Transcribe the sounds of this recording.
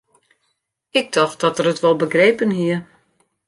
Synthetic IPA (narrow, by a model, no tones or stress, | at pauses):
ɪɡ̚dɔxt̚d̥ɔtərətʋɔlˠbəɡreːpənɦiə